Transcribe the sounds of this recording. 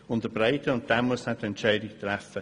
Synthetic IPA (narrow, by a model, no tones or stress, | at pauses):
ʊ̃nd̪əbɾaɪtʰəʊ̃nd̥aməshatɛnt͡ʃɛjdit̪ʰɾɛfə